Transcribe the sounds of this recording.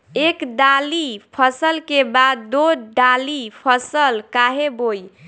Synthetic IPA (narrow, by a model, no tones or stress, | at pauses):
ekɖalipʰəsəlkebad̪ːoɖalipʰəsəlkaɦeboj